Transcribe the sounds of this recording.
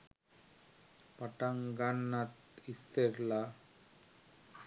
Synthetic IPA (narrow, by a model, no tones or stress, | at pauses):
paʈaŋɡanːat̪ist̪eɾla